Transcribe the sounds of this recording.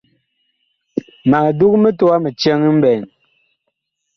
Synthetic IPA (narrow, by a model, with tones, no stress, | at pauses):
ma˨ŋ˨du˦kme˦to˦a˦me˨t͡ʃe˦ŋ˦m̩˦bɛ˨n